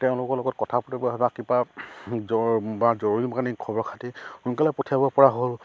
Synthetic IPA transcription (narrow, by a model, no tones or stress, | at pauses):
tɛʊ̃lʊkɔɹlɔɡɔt̚kɔtʰapɔtibɔɦɔbakiba | ɔbazoɹoɹimakanikʰɔbɔɹkʰatikunkalɛpotʰijabɔpɔɹaɦol